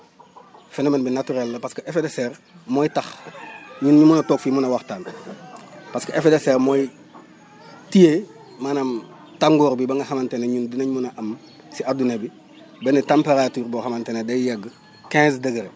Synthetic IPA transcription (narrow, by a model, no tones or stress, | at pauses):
fenomenbinatuɾelːɐpaskəefedeseɾmojtaxɲunɲumunatoːkfimunɐwaxtaːn | paskəʔefedeseːɾmoj | tije | maːnam | taŋɡoːɾbibɐŋɡɐxamanteneɲundunaɲumunaʔam | siadunebi | benetampeɾatyːɾboxamantenedajaɡ | kɛ̃ːsdɐɡəɾe